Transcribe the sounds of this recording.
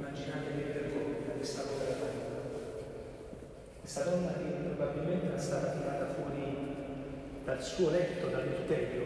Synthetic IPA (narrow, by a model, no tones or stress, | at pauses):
mːad͡ʒinaːɾeleɾid̪erɡɔɾakːest̪akɔveɾapaɾiːt̪a | est̪ad̪ɔnːalipːɾobabːilment̪eɾast̪aːt̪at̪ːivaːt̪afwɔːɾi | d̪̥alsuːolɛt̪ːod̪alert̪ɛljo